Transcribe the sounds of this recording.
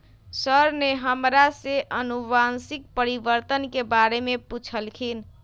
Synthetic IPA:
səɾneɦəmɾaseʔənubansik̚pəɾibəɾt̪ənkebaɾemeput͡ʃʰəlkʰin

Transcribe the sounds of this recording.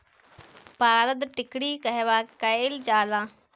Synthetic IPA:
paːɾəd̪ʈɪkɽiːkɐɦeʋaːkɐeld͡ʒaːlãː

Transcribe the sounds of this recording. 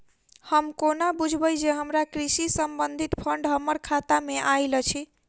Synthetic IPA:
həmkonabud͡ʒʱbəjd͡ʒeɦəmɾakɾisisəmbənd̪ʱit̪pʰəɳɖɦəmːəɾkʰat̪ameʔajlət͡ʃʰi

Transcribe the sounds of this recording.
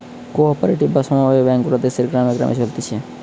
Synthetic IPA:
koɔpɔɾeʈibbasɔmaebɛ̃ŋkɾad̪eseɾɡɾaːmeɡɾa̰mʔḛt͡ʃʰolt̪it͡ʃʰe

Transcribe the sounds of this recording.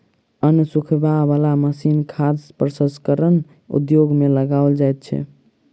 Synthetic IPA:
ənsukʰbabalaməsinkʰaspɾəsə̃skəɾən | ṵd̪joɡmeləɡaold͡ʒajt̪̚t͡ʃʰɛ̰

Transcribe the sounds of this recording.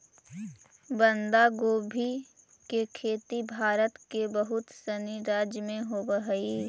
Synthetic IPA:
bə̃nd̪aɡoːbʱi | kekʰeːt̪ibʱaːɾət̪kebəɦʊt̪sɐniɾaːd͡ʒmẽɦobəɦəiː

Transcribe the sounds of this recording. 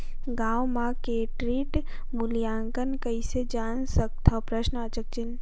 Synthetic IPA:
ɡaːwmãkeʈɾiːʈ | mʊlijaːŋɡənkɐised͡ʒaːnsək̚t̪ʰɔpɾəʃnəɐt͡ʃək̚t͡ʃɪn

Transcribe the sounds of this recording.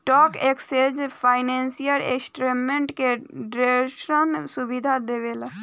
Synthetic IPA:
ʈɔːkeksed͡ʒpʰaːɪnẽːnsijəɾḛksʈɾemẽɳʈkeɖɾeʃɾənsubid̪ʱad̪eʋela

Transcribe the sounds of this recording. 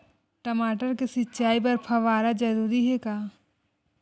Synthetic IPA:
ʈəmaːʈəɾkesɪtːʃaːip̬ɐɾpʰɐʋaːɾad͡ʒɐɾuːɾiɦɛkaː

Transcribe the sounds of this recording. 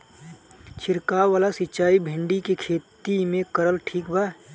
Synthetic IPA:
t͡ʃʰɪɾkaːʋaːlasɪt͡ʃaːibʱɪ̃ɳɖikekʰeːt̪imẽkəɾəlʈʰiːkbʱaː

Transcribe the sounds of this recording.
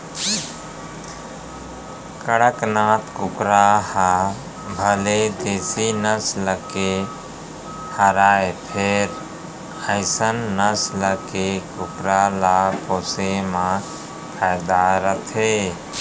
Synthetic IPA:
kəɽəknãt̪ʰkʊkɾaha | bʱəled̪eːsinəsləke | həɾaepʰeɾ | əɪsənːəsləkekʊkɾalapoːsemã | pʰajd̪aɾət̪ʰɦe

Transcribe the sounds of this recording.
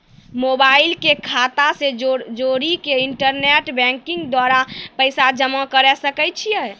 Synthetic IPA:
mobailkekʰat̪ased͡ʒoɾikeiɳʈəɾneʈbɛ̃ŋkĩŋɡd̪waɾapəɪsad͡ʒəmə̃kəɾɛsəkɛt͡ʃʰijɛ

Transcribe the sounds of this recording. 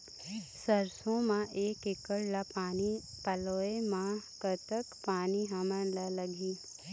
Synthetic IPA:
səɾsõmãʔeːkɪkəɽlaani | pəloːemãkət̪əkpaːniɦəmənlaləɡʱiː

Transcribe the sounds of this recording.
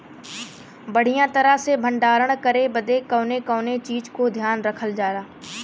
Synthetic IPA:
bəɽ̤ijãːt̪ɐɾaɦsebʱə̃ɳɖaːɾəɽ̃kəɾebəd̪ekə̃ːnekə̃ːnet͡ʃiːd͡ʒkod̪ʱjaːnɾəkʰəld͡ʒaːɾaː

